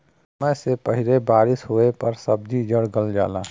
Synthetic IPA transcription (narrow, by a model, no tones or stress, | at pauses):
sməjsepəɦɪlebaːɾɪsɦoepəɾsəb̚d͡ʒid͡ʒəɽɡəld͡ʒa̰ːlaː